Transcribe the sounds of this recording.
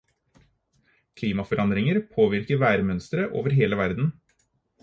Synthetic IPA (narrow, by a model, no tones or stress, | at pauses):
kʰliːmɑfɔɾʔɑnd̪ɾɪŋəɾpʰoːʋɪɾkəʋæːɾmœnst̪ɾəʔo̰ːʋəɾɦeːləʋæɾd̪n̩